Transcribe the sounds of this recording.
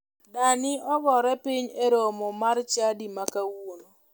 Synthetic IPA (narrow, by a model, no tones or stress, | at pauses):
danɪɔbɔɾɛpɪɲeɾomɔmart͡ʃadimakawono